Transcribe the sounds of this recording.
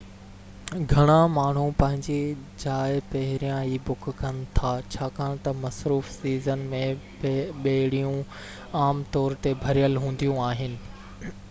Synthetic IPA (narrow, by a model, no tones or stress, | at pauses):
ɡʱɐɽ̃ãmaːɳ̤ũpɐ̃ɦɪ̃ɲd͡ʑed͡ʑaːɪpɐɦɪɾijãɦiːbʊkʰkɐnɪ̆t̪ʰaːt͡ɕʰaːkʰãːñt̪ɐmɐsɾuːfsiːzənmẽ | ɓeɽijũ | aːmt̪ɔːɾt̪ebʱɐɾijəlɦũːn̆d̪ijũaːɦɪnɪ̆